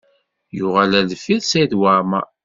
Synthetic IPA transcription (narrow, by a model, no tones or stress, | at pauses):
jʊʁælælfiðsæjðwaɾma